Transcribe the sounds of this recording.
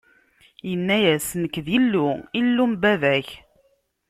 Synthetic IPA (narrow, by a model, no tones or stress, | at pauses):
jənːæjæsnəkðilːuilːumbævæç